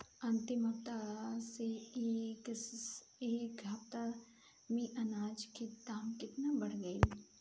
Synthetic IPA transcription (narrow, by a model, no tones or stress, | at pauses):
ɐ̃nt̪ɪmɐpt̪asek | eːkɡʱapt̪a | mĩʔɐnaːd͡ʒked̪aːmkɪt̪nabɐɽɡəi